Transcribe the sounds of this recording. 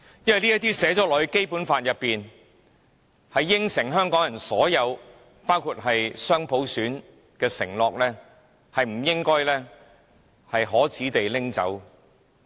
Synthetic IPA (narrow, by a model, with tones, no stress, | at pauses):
jɐ˥nwɐ˨jliː˥jɐ˥t̪iː˥sɛː˨˥t͡sɔː˨˥lɔː˨ke˥jpuː˨˥nfaː˧t̚jɐ˨pːiː˨n | hɐ˨jːɪ˥ŋsɪ˨˩ŋɦœː˥ŋkɔː˨˥ŋjɐ˨˩nsɔː˨˥jɐ˨˧w | paː˥wkʰuː˧t̚ɦɐ˨jsœː˥ŋpʰo˨˥wsyː˨˥n | kɛː˧sɪ̰˨˩ŋlɔː˨k̚lɛː˥ | hɐ˨jm̩˨˩jɪ˥ŋkɔː˥jlɛː˥ | hɐ˨jɦɔː˨˥t͡sʰiː˨˥t̪e˨jlɪ˥ŋt͡sɐ̰˨˥w